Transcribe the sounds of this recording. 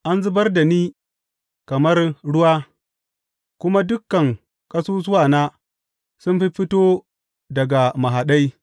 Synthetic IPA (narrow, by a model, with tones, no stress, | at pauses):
ʔa˦nzu˦bɐ˦rda˨niː˦ | kɐ˨mɐ˦rɽʊ˦wa˦ | kʊ˦ma˦dʊ˦kːɐ˨ŋ | ka˦su˦s̬u˦wa˨na˦ | sʊ˦nɸi˦ɸi˦to˦ | dɐ˨ɡa˨ma˨ɦa˨ɗa˦j